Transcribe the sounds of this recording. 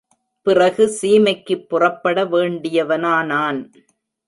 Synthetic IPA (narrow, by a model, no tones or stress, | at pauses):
pɪrɐɣɯsiːmɐɪkːɯpːʊrɐpːɐɽɐʋeːɳɖɪjɐʋɐnaːnaːn